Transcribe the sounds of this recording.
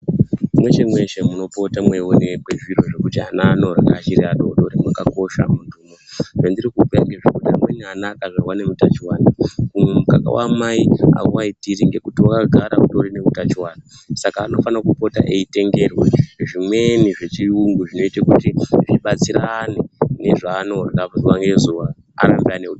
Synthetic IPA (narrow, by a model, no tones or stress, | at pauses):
mwe̞t͡ʃemwe̞ʃemuno̞po̞tamwewonekweʐiɾo̞ʐe̞kutanano̞ɾa̰ka̰t͡ʃiriaɗoɗo̞ɾimwakako̞ʃa̰mutuːmoʐandiɾikupejaŋɡeʐekuta̰mwe̞nianaːkaʐarwane̞mutat͡ʃiwanakumemuka̰ka̰wa̰ːmaia̰kwaitiɾiŋɡe̞kutiwakaɡʱaɾa̰uɗo̞ɾine̞utat͡ʃiwaːna | sakaːno̞fanakupo̞ta̰ʔeite̞ŋɡe̞rweʐimwe̞niʐe̞t͡ʃiuŋɡuʐino̞itakutiʐiɓat͡siɾanene̞ʐaːno̞rakauwaŋɡe̞zuwaː | ɾambianeuɗo